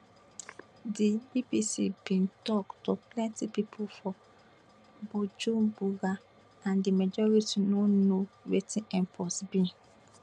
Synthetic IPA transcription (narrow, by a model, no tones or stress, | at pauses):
dibibisḭbĩntɔktuplɛ̃ntipipʰofɔ | bud͡ʒũbuɡa | ãndimad͡ʒɔɹitinonowetʰĩɛ̃mpʰɔsbĩ